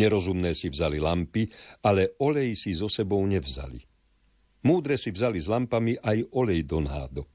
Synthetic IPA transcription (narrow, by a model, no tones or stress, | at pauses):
ɲɛɾɔzumnɛːsivzalilampialɛɔlɛjsizɔsɛbɔʊɲɛvza̰lḭ | muːd̪ɾɛsivzalizlampamiʔajɔʎɛjd̪ɔnɦa̰ːd̪ɔ